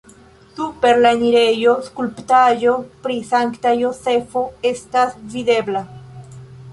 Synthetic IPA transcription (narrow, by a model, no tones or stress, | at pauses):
supeɾlaɲiɾejoskulpt̪ajopɾisaŋkt̪ajosefoest̪asvid̪ebla